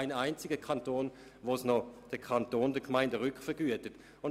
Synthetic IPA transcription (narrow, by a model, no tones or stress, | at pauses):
ɪnaɪnt͡sɪɡəkʰɑntoːn | ʋosnɔd̥əkʰɑntoːndəkmaɪndəʁʏkχfəɡyətət | ʊn